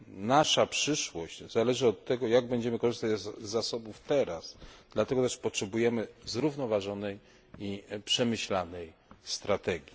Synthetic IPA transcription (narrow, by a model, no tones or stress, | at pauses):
naʂapʂɘʂwɔɕt͡ɕz̥alɛʐɘɔt̪ːɛɡɔjaɡ̚bɛɲd͡ʑɛmɘkɔʐɘst̪ad͡ʑzːasɔbuft̪ɛɾasd̪̥lat̪ɛɡɔt̪ɛʂpɔtʂɛbujɛmɘzɾuvnɔvaʐɔnɛj | ipʂɛmɘɕlanɛjst̪ɾat̪ɛɡʲji